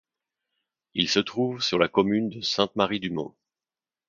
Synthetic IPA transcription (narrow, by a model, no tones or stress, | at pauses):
ilsət̪χuvsyʁlakɔmynd̪əsɛ̃t̪maʁid̪ymɔ̰̃